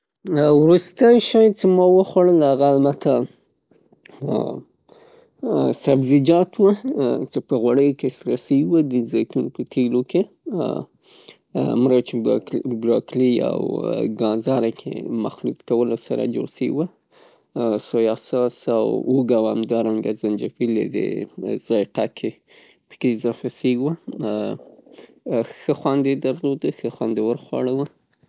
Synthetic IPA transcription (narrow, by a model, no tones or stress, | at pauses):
wɾust̪əjʃɑjt͡semɑwəxwaɽəlhaɣaalbat̪ʰa | sabzɪd͡ʒɑt̪wət͡sepəɣwaɽəjokesɾasəwiwəd̪əzɑjt̪unpət̪ʰeloke | mɾat͡ʃebɾoklia̰wɡɑnzɑɾakʰḛmaxlut̪kawəlosaɾa̰d͡ʒo̰ɽsəwiwə | sojɑsɑsawuɡawamd̪ɑɾaŋɡazand͡ʒafilḛd̪ḛz̥ɑjqakʰe | pə̥kezafaseɡwə | xəxwɑnd̪ed̪aɾlod̪əxəxwand̪ewəɾxwɑ̰ɽəwə